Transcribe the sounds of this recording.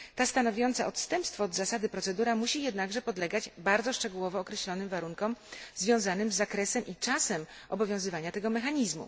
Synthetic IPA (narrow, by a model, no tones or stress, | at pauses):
t̪ast̪anɔvʲjɔnt̪sɛʔɔt̪st̪ɛmpst̪fɔd̪zasad̪ɘpɾɔt̪sɛd̪uɾamuɕijɛd̪naɡʐɛpɔd̪lɛɡad͡ʑbaɾd̪zɔʂt͡ʂɛɡuwɔvɔːkɾɛɕlɔnɘmvaɾuŋkɔmzvʲjɔ̃w̃zanɘmzːakɾɛsɛmʔit͡ʂasɛmɔbɔvʲjɔ̃w̃zɘvaɲat̪ɛɡɔmɛxaɲizmṵ